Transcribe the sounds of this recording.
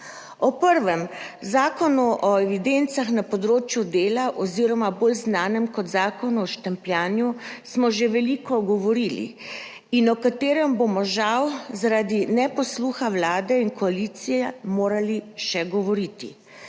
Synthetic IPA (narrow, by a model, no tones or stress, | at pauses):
ɔpəɾʋɛmzaːkɔnuʔɔɛʋid̪ent̪saxnapɔd̪ɾoːt͡ʃjud̪eːlaʔɔziɾɔmaboːlznaːnɛmkɔt̪zaːkɔnuɔʃt̪ɛmpljaːnjusmɔʒeʋɛlikɔɡɔʋɔɾilḭ | inɔkat̪eːɾɛmbomɔʒawzaɾaːd̪inɛpɔsluːxawlaːd̪ɛinkɔaliːt̪sijɛmoːɾaliʃɛɡɔʋɔɾiːt̪ḭ